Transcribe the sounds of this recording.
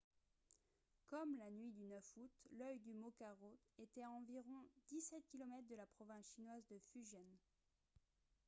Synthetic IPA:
kɔmlanɥid̪ynœfut̪lœjd̪ymɔkaʁoet̪ɛɑ̃viʁɔ̃d̪isɛt̪̚kʲilɔmɛt̪χd̪əlapχɔvɛ̃sʃinwazd̪əfyʒjɛn

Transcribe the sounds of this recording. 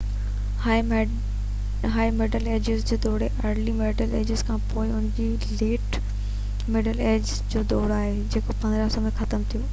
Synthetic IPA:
ha | ɦaːimeːɖəleːd͡ʑɪzd͡ʑoːd̪oːɽeʔɐɾlimeːɖəleːd͡ʑɪzkʰãːpoːɪʊn̤d͡ʑi | leːʈ | mɪɖəleːd͡ʑ | d͡ʑoːd̪oːɽaːɦed͡ʑeːkopɐ̃nd̪ɾasõmẽxɐt̪əmt̪ʰijuː

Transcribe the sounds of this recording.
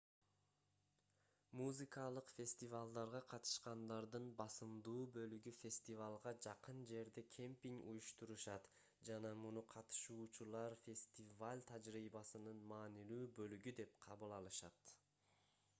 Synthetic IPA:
muzɨkɑlˠɯqfʲe̞sʲt̪ivalˠd̪ɑɾʁɑqʰɑt̪ɯ̥ʃqɑnd̪ɑɾd̪ɯnbɑsɯmd̪uːbø̞lyɡyfʲe̞sʲt̪ivalˠʁɑd͡ʒɑqɯnd͡ʒe̞ɾd̪ekʲʰe̞mpʲiŋṵjuʃt̪uɾuʃɑt̪ | d͡ʒɑnɑmunuqʰɑt̪ɯ̥ʃuːt͡ʃulˠɑɾfʲe̞sʲt̪ʲivalʲt̪ʰad͡ʒɾiːbɑsɯnɯnmɑːnilyːbø̞lyɡyd̪e̞p̚qʰɑβɯlˠɑlˠɯʃɑt̪

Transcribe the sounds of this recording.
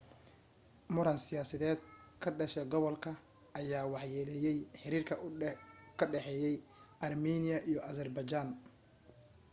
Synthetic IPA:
mʊɾɐnsɪjaːsɐðɛːd̪̚kʰɐɖɐʃɛɡɔβɔlkʰɐ | ʔɐjaːwɑħjɛːlɛjɛjħɪɾiːrkʰɐ | kʰɐɖɛħɛːjɛjɐrminɪjɐʔijɔʔɐsɐrbɐt͡ʃaːn

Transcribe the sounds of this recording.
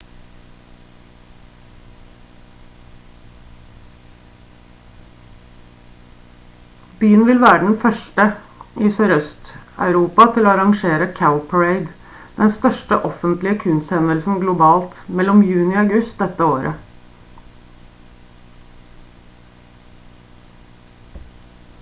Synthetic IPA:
byːənʋɪlʋæːɾəɖn̩fœʂʈə | ɪsœɾœst̪ɑ̰ʉɾuːpɑt̪ʰɪloːɑɾɑŋʂeːɾəkʰaʊpʰæɹeɪd̪ | d̪ɛnst̪œʂʈəʔɔfənt̪lɪəkʰʉnst̪hɛnəlsn̩ɡlʊbɑːlt̪mɛlːɔmjʉːnɪɑʉɡʉst̪̚d̪ɛt̪ːəoːɾʔə

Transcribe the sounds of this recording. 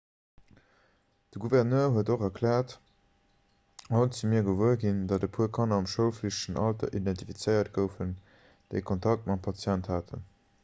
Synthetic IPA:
d̥əɡuvɛʁnøːɐɦuətoχɐkʰlæːɐt | ɑʊnt͡simiɐɡəvuəɡindɑdəpʰuəkʰɑnɐɑmʃəʊfliʃʃənɑltɐ̰ʔidæntifit͡səɪɐtɡəʊfən | d̥eɪkʰontʰɑk̚t̚mɑtpʰɑt͡sjænthaːtʰə̰n

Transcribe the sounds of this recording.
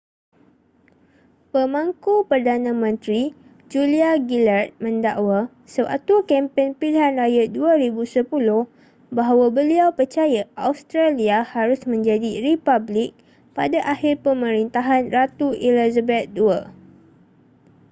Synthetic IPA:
pəmãŋkupərdanãmə̃nt̪ɾi | d͡ʒuliaɡilart̪̚mə̃ndaʔwa | səwa̰t̪ukɛmpɛnpiliɦanrajaduaɾibusəpulʊh | baɦawabəliawpərt͡ʃajaʔaust̪ɾaliahaɾʊsmə̃ɲd͡ʒadiɾipablɪk̚ | padaʔahɪrpəmə̃ɾint̪aɦanrat̪uilizabɛt̪̚dua

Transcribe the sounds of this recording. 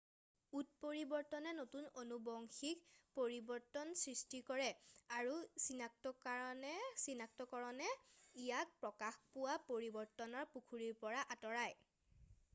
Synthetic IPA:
ut̚poɹibɔɹtɔnɛnotunonubɔŋxikpoɹibɔɹtɔnsɹistikɔɹɛaɹusinak̚tɔkaɹɔnɛsinak̚tɔkɔɹɔnɛijak̚pɹɔkaxpʊwapoɹibɔɹtɔnɔɹpukʰuɹiɹpɔɹaʔatɔɹaj

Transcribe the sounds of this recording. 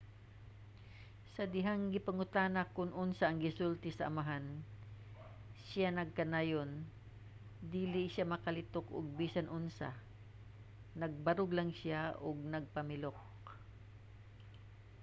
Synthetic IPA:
sɐd̪ɪɦaŋɡɪpɐŋʊt̪anɐkʊŋʔʊnsaʔːŋɡɪsult̪ɪsɐʔɐmaɦan | sanɐɡ̚kɐnajon | d̪iːlɪʃjamɐkɐlɪt̪okʔʊ̰ɡ̚biːsɐnʔʊnsa̰ | nɐɡ̚bɐɾʊɡlɐŋsjaʔʊɡ̚nɐɡ̚pɐmɪlok

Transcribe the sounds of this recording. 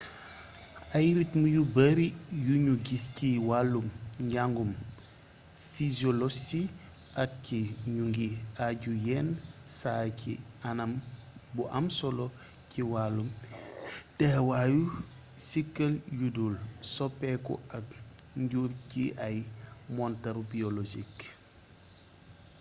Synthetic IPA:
ɐjɾitmujubɐɾijuɲuɡisciwalːumɲɟaŋɡum | fizɔlɔsi | ʔɐk̚ciɲuŋɡiaɟujɛnsaːcʰḭ | ɐnɐmbuʔamsɔlɔ | ciwalːum | d̥ɛhwaju | sikːɐljudulsɔpːekɔ̰ʔakɲɟuɾciʔajmɔntɐɾbiolod͡ʒik

